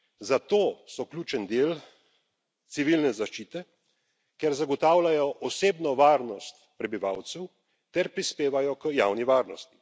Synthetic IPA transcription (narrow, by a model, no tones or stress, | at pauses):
zat̪oːsɔklʲuːt͡ʃɛnd̪eːl | t̪siʋilnɛzaʃt͡ʃiːt̪ɛ | kɛɾzaɡɔt̪aːwlajɔʔɔseːbnɔʋaːɾnɔst̪pɾɛbiʋa̰wt̪sɛw | t̪ɛɾpɾispeːʋajɔkəjaːwniʋaːɾnɔst̪i̥